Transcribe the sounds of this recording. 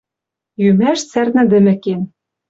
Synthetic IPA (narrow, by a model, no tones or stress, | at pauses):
jymæʃt͡særnɘ̆d̪ɘ̆mɘ̆ken